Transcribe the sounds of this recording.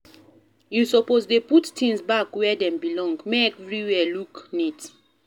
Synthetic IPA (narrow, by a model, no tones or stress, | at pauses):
jusɔpozdeputtĩŋsbakwɛdɛ̃mbilɔ̃ŋɡmeɛvɹiwɛluknit